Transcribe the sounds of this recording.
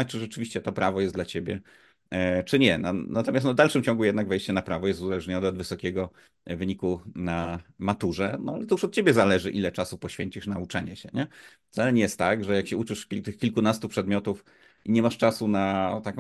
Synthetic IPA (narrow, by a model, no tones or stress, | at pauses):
t͡ʂɘʐɛt͡ʂɘvʲiɕt͡ɕɛt̪ɔpɾavɔjɛst̪d̪lat͡ɕebʲjɛ̰ | t͡ʂɘɲɛnanat̪ɔmʲast̪nɔvd̪alʂɘmt͡ɕɔ̃ŋɡujɛd̪naɡvɛjɕt͡ɕɛnapɾavɔjɛst̪uzalɛʐɲɔnɛɔd̪vɘsɔkʲɛɡɔ | vɘɲikunamat̪uʐɛnɔ̰alɛt̪ɔjuʂɔt̪̚t͡ɕebʲjɛzalɛʐɘʔilɛt͡ʂasupɔɕfʲjeɲt͡ɕiʂnaut͡ʂaɲɛɕɛ̰ɲɛ | ft̪sɛlɛnʲjɛst̪ːaɡʐɛjakɕɛut͡ʂɘʂʲit̪ɘxkʲilkunast̪upʂɛd̪mʲjɔt̪uf | iɲɛmaʂt͡ʂasunat̪ak